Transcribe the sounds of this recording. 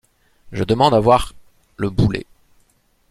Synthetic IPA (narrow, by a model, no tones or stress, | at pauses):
ʒəd̪əmɑ̃d̪avwaʁ | ləbulḛ